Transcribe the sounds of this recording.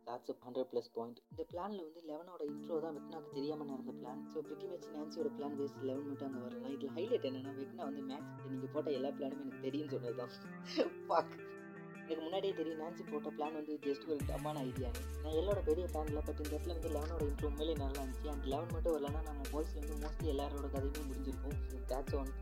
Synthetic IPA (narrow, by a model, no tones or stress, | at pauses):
d̪ɐʈsɐhɐɳɖɾɐɖplɐspaːjɪɳʈɪnd̪ɐpɪɭaːnɪlɐʋɐnd̪ɯlɛʋɐnoːɽɐɪnʈɾoːt̪ãːʋɪt̪ːɪnaːkːɯt̪ɛɾɪjaːmɐnɐɾɯnd̪ɐpɭaːnsoːbɾɪʈːimɛt͡ʃːnaːnsiɔːɾɐplaːnʋeːslɛʋɐnmɐʈːɐŋɡɐʋɐɾɯ̃lãːɪðɪlɐɦɐɪlɐːʈːenːẽːnːaːʋekːɯnːaːʋɐnd̪ɯmaːʈsnːiːŋɡɐpoːʈːɐɛlːaːplaːnɯmeːɛnɐkːɯt̪ɛɾɪjɯnɯs̬ɔnːɐɾɯt̪ãː | fak | ɛnɐkːɯmʊnːaːɽijeːt̪ɛɾɪjĩnaːnsipoːʈːɐplaːnʋɐnd̪ɯdɛsʈːɯkɐɭʈːɐ̰mːaːnɐɐɪðɪjaːnɯnãːɛlːoːɽɐpeɾɪjɐplaːnɪlːãːpɐʈːɪnd̪ɾɐt̪ːɪlɐʋɐnd̪ɯlɛʋɐnoːɽɐɪnʈɾuːmeːlɐnɐlːaːɐndt͡ʃːiɐndɐlɛʋɐnmɐʈːɯ̃ʋɐɾɐlɐːnaːnaːŋɐpoːjɪslʋɐnd̪ɯnaːst̪ːiɛlːaːɾoːɽɐkɐðɐmeːmʊɾɪɲd͡ʒɪɾɯkːʊ̃ː | d̪aːʈsoːn